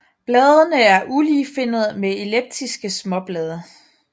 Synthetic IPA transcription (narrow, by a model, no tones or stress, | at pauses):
b̥lɛːðˠənəæɐʔuliːfe̝n̰ð̞̩ˠmeeleb̥̚d̥ʰisɡ̥əsmɒ̽b̥lɛːð̞ˠə